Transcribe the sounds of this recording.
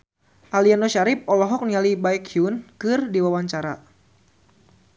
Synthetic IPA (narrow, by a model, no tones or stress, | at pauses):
ʔalianɔʃaɾɪp̚ɔlɔɦɔk̚nialibaɛkiunkɨrdiwawaɲt͡ʃaɾa̰